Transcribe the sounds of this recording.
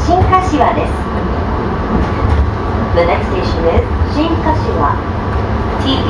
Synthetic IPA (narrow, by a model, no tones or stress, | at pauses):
ɕĩŋkaɕiβad̪e̞sɨ̥ | d̪ɨnekst̪eɕõnez | ɕĩŋkaɕiβa̰ | t̪ʰi